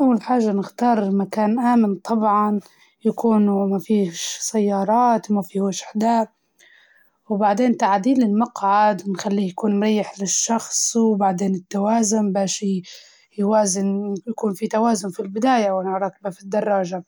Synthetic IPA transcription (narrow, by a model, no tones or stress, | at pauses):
ʔawːalħaːʒːanɪxt̪ɑːɾˤmakaːnʔaːmɪnt̪ˤɑbʕɑn | jakuːnumafiːʃsajːɑːɾˤɑːt̪mafiːwaʃħd̪a | wbaʕd̪eːnt̪aʕd̪iːlɪlmɑqʕad̪nxalːiːjakuːnmɾˤɑjːɪħlɪʃːɑxsˤwbaʕd̪eːnɪt̪ːawaːzʊmbaːʃi | jwaːzɪnjakuːnfit̪awaːzʊnfilbɪd̪aːjawɪnʕɾˤɑːkbafid̪ːɑrˤːɑːʒa